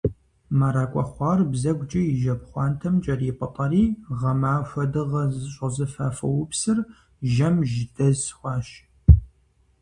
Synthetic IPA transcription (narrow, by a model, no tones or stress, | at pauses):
maɾaːkʷʼɔχʷɑːrbzɐɡʷt͡ʃʼɐjɪʒɐpχʷɑːntʰɐmt͡ʃʼɐriːpʼɐtʼɐriːʁɐmaːʃʷɐdɨʁɐzɨɕʼɐzɨfaːfɐ̰wʊpsɨr | ʒɐmʒdɐzxʷɑːʃ